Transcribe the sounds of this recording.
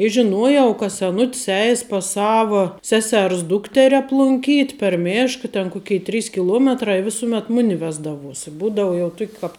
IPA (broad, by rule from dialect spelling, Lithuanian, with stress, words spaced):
ɪ ʒʲɪˈnuɔjɛʊ kɐ sʲɛˈnʊtʲs ˈɛɪs pɐs ˈsɑːʋɐ ˈsʲæːsʲɛrs ˈdʊktʲɛrʲɪ ɐplˠʊŋʲˈkʲiːtʲ pʲɛr ˈmʲeːʃkɐ tʲɛn ˈkʊkʲɛɪ ˈtʲrʲiːs kʲɪˈlˠuɔmʲɛtrɐ ɪ ˈʋʲɪsʊmʲɛt ˈmʊnʲɪ ˈʋʲæːzdɐʋuɔs ɪ ˈbuːdɐʊ jɛʊ ˈtʊkʲ kɐp